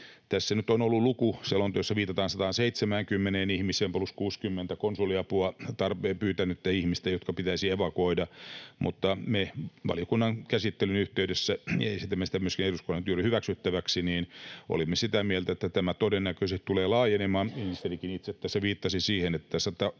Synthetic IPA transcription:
t̪æsːænyt̪onolːulukuselːont̪ojosːɑʋiːt̪ɑt̪ɑːnsɑt̪ɑːnseit̪semæŋkymːeneːnihmiseːmpluskuːskymːent̪ækonsuliɑpuɑt̪ɑrpeːpyːt̪ænyet̪ːæihmist̪ejot̪kɑpit̪æisieʋɑkoidɑmʔṵt̪ːɑmeʋɑ̰lijokunːɑŋkæsit̪ːelynyht̪eydesːæeisit̪ːæmːesi̥t̪æmyøskineruskonːent̪yrihyʋæksyt̪ːæʋæksiniːnʔo̰limːesit̪æmielt̪æet̪ːæt̪æmæt̪odenːækøsett̪uleːlɑːjenemɑːninist̪elikinit̪set̪ːæseʋiːt̪ːɑsisiːhenet̪ːæsɑt̪ɑ

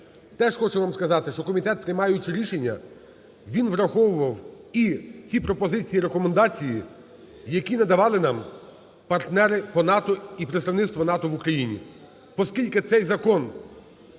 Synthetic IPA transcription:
t̪ɛʃxɔt͡ʃʊʋɑmskɐzɑt̪ɪʃt͡ʃɔkɔmʲit̪ɛt̪̚pɾɪjmɑjʊt͡ʃɪɾʲiʃenʲːɐ̰ | ʋʲinʋɾɐxɔʋʊʋɐwit͡sʲipɾɔpɔzɪt͡sʲijiɾekɔmend̪ɑt͡sʲiji | jɐkʲinɐd̪ɐʋɑlˠɪnɑm | pɐrt̪nɛɾɪpɔnɑt̪ɔipɾet̪st̪ɐʋnɪt̪t̪ʋɔnɑt̪ɔʋukɾɐjinʲḭ | pɔskʲilʲkɪt̪sɛjzɐkɔn

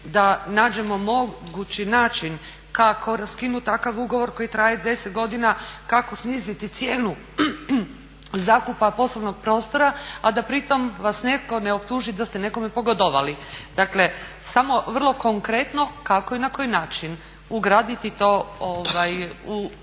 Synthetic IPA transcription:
d̪anaːd͡ʒe̞mo̞mo̞ɡut͡ʃinaːt͡ʃin | kakʰo̞ɾaskinut̪akaʋuɡo̞ʋo̞ɾko̞jit̪ɾaːjad̪de̞set̪̚ɡo̞d̪inakako̞sniːzit̪it̪sjeːnu | zaːkupapo̞sloʋno̞ɡ̚pɾo̞ːst̪o̞ɾaad̪apɾit̪o̞mʋasnekko̞ne̞o̞pt̪uːʒid̪ast̪ene̞ko̞mepo̞ɡod̪oʋalid̪̥akle̞samo̞ʋr̩lˠo̞ko̞ŋkɾet̪no̞kakoinako̞jinaːt͡ʃin | uɡɾaːd̪it̪it̪o̞oʋaju

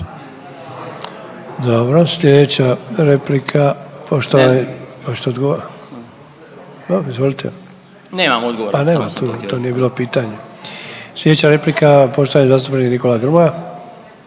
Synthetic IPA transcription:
d̪obɾosʎʲe̞d̪et͡ɕaɾe̞plikʰapʰoʃt̪oʋaneot͡ɕt̪eod̪ɡo | aizʋo̞lit̪ʰḛ | neːmamod̪ɡoopane̞ːmat̪ut̪oːnijebiːlo̞piːt̪aɲe̞ | slʲe̞d̪et͡ɕaɾe̞plikapo̞ʃt̪oʋanɲezast̪upenikniko̞lad̪ɾmoja

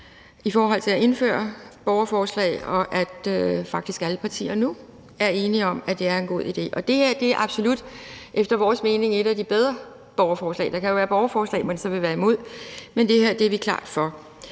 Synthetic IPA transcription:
ifɒːɦɒ̽l̰t͡sʰe̝æe̝nfø̰ːɐb̥ɒʊɐfɒːslɛ̰ɪɒ̽ʔæ̥øfɑ̈ɡ̥d̥isɡ̥æləpʰɑ̈t͡sʰḭːɐnu | æɐe̝ːniɒ̽mæd̥e̝æɐe̝nɡ̥o̝ð̰ˠid̥e̝̰ːʔɒ̽d̥e̝hæɐ̰d̥e̝æɐʔɑ̈b̥so̝lud̥ʔefd̥ɐʋɒːsme̝ːne̝ŋe̝ɾ̥æd̥ib̥eð̞ˠʁɐ | b̥ɒʊɐfɒːslɛ̰ːɪd̥ɑ̈kʰæjo̝ʋæːɐb̥ɒʊɐfɒːslɛ̰ːmensɒ̽ʋe̝ʋæːɐimo̝ð̰ˠmend̥e̝hæɐ̰d̥eæɐʋikʰlɑ̰̈ːd̥fɒ̽

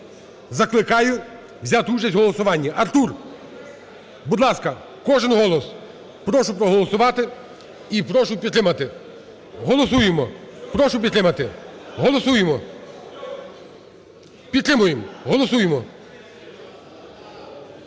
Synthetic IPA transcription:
zɐklˠɪkɑjʊ | wzʲat̪ut͡ʃɐsʲtʲɦɔlˠɔsʊʋɑnʲːɐʔɐrt̪ur | bud̪lˠɑskɐ | kɔʒɪnɦɔlˠɔs | pɾɔʃʊpɾɔɦɔlˠɔsʊʋɑt̪ɪ | ipɾɔʃʊpʲid̪t̪ɾɪmɐt̪ɪ | ɦɔlˠɔsujemɔpɾɔʃʊpʲid̪t̪ɾɪmɐt̪ɪɦɔlˠɔsujemɔ | pʲid̪t̪ɾɪmʊjemɦɔlˠɔsujemɔ

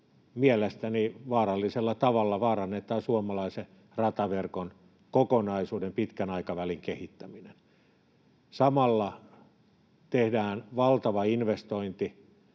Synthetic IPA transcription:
miælest̪æniʋɑːrɑlːiselːɑt̪ɑʋɑlːɑʋɑːrɑnːet̪ˑɑːsuomɑlɑise | rɑt̪ɑʋerkon | kokonɑisuːdempit̪kænɑikɑʋæliŋkehit̪ːæminen | sɑmɑlːɑ | t̪ehdæːnʋɑlt̪ɑʋɑinʋest̪oint̪i

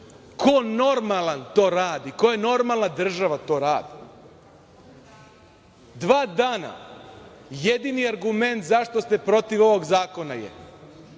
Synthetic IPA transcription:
kʰo̞no̞ɾmalˠant̪o̞ːɾaːd̪iko̞jeno̞ɾmalˠnad̪r̩ʒaʋat̪o̞ːɾaːd̪i | d̪ʋaːd̪aːna̰ | je̞d̪iniaɾɡume̞nt̪zaʃt̪o̞st̪e̞pɾo̞t̪iʋo̞ʋo̞ɡzaːko̞najḛ

